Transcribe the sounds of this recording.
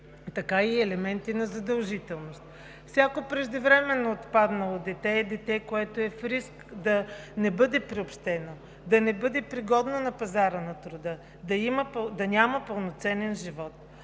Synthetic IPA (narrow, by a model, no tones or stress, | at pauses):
t̪ɐkaiɛlɛmɛnt̪inɐzɐd̪ɐlˠʒit̪ɛlˠnost̪̚ | fsʲakopɾɛʒd̪ɛvɾɛmɛnːoːt̪pad̪nəlˠod̪ɛt̪ɛːd̪ɛt̪ɛkoɛt̪oɛfɾiskd̪ɐnɛbɤd̪ɛpɾiopʃt̪ɛno | d̪ɐnɛbɤd̪ɛpɾiɡɔd̪nonɐpɐzaɾənɐt̪ɾʊd̪ɤ | d̪ɐiməpd̪ɐnʲaməpɐlˠnot̪sɛnɛnʒivɔt̪̚